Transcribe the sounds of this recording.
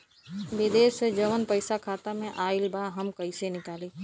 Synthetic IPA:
bɪd̪eːsed͡ʒɐʋənpɐɪsakʰaːt̪amẽʔaːɪlbʱaːɦɐmkɐisenɪkaːliː

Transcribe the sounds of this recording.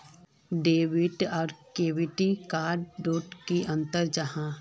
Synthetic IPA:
ɖeːʋɪʈɔːɾkeːʋɪʈikaːɾɖːoːʈkiʔɐ̃nt̪əɾd͡ʒɐɦãː

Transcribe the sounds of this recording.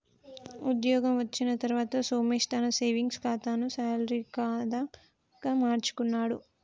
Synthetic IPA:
ud̪jɔːɡɐmʋɐt͡ʃːinɐt̪ɐɾuʋaːt̪ɐsoːmeʂt̪anɐseːʋiŋɡskaːt̪aːnusaːlɾikaːd̪ɐ | ɡamaːɾt͡ʃu̥kunːaːɽu

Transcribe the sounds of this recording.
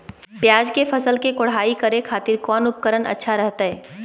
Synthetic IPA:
pjaːd͡ʒkepʰəsəlkekʊɽ̤aːikəɾekʰaːt̪ɪɾkɔːnʊp̚kəɾənə̰tːʃʰaɾɛɦt̪aɦɛː

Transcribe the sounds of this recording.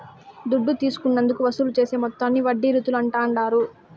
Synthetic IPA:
d̪uɖːut̪iːsu̥kunːɐnd̪ukuʋɐsuːlut͡ʃe̞ːseːmɔt̪ːanːiʋɐɖːiɾut̪ulɐɳʈaːɳɖaːɾu

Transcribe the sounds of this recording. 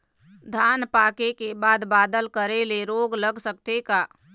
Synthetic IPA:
d̪ʱaːnpaːkekebaːd̪baːd̪əlkəɾeleɾoːɡləɡsək̚t̪ekaː

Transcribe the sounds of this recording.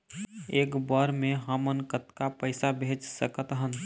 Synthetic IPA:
eːkbəɾmẽɦəmənkət̪kapəɪsabʱeːd͡ʒsəkət̪ɦən

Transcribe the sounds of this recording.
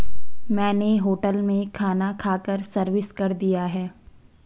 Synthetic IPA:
mɛ̃ːneɦoːʈəlmẽkʰaːnakʰaːkəɾsɐɾʋɪskɐɾd̪ijaɦɛː

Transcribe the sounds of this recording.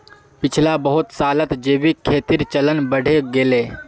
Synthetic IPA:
pɪt͡ʃʰlabəɦʊt̪saːlət̪d͡ʒeːbikʰeːt̪iɾt͡ʃələnbəɽ̤ʱeɡeːleː

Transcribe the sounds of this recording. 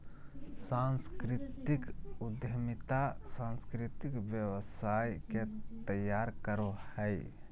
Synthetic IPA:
sãnskɾit̪ikud̪jəmit̪asãnskɾit̪ikbjəwəsajket̪əjaɾkəɾohəj

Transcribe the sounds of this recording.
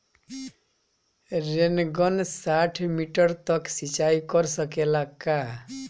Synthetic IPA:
renɡʌnsaʈʰmiʈʌrt̪ʌksit͡ʃajkʌrsʌkelaka

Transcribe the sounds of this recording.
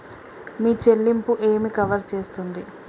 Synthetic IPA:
miːt͡ʃe̞lːimpuʔeːmikɐʋɐɾt͡ʃe̞ːst̪und̪i

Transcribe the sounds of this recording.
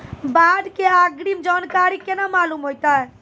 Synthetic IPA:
bad̪keaɡɾimd͡ʒankaɾikenamalumɦojt̪aɛ

